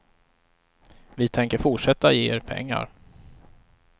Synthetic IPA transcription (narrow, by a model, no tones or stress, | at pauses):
vɪt̪ʰɛŋkəɾfʊʈʂɛt̪ːajeːeɾpʰɛ̰ŋːa̰ɾ